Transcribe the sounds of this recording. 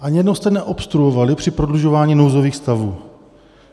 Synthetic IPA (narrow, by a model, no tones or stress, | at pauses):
ʔaɲjɛdnost̪ɛnɛʔo̞pst̪ɾuovalɪpr̝̥ɪpɾodluʒo̞vaːɲiːnowzoviːxst̪avuː